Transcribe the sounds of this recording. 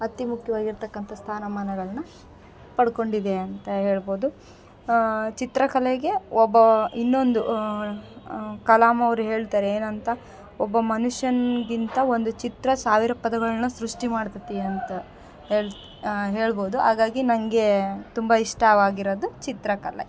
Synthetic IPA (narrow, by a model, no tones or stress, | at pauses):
ɐt̪ːimukʰjɐʋaːɡiɾt̪ɐkːɐnt̪ʰɐst̪ʰaːnɐmaːnɐɡɐɭnu | pɐɽko̞ɳɖid̪e̞ɐnt̪ɐɦeːɭboːd̪u | t͡ʃit̪ɾɐkɐlɛɡe̞ɔbːɐinːo̞nd̪u | kɐlaːmɐʋɐɾuɦe̞ːɭt̪aːɾeeːnɐnt̪ɐ | ɔbːɐmɐnuʂjɐnɡint̪ɐo̞nd̪ut͡ʃit̪ɾɐsaːʋiɾɐpɐd̪ɐɡɐɭɐnːɐsɾuʂʈimaːɽt̪ɐt̪iɐnt̪ɐ | ɦeːɭ | ɦe̞ːɭbo̞ːd̪uɦaːɡaːɡinɐŋɡe̞t̪umbɐiʂʈɐʋaːɡiɾod̪ut͡ʃit̪ɾɐkɐlḛ